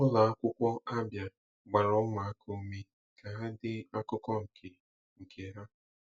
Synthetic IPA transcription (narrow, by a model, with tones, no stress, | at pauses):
ʊ˦la˨a˦kʷʊ˦kʷɔ˦ʔa˦bja˨ | ɡ͡ba˨ɾɔ˦ŋa˨a˦kʰo˦me˦ | ka˨ɦa˦dɪ˦a˦kʊ˦kɔ˦ŋ̩˨kʰe˨ | ŋ̩˨kʰe˨ɦa˦